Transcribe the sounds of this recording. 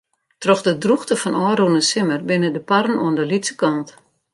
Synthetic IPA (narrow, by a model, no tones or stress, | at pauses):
trɔxdədruxtəfɔnʔɔːrunəsɪmərbɪnədəparn̩oəndəlitsə̥kɔnt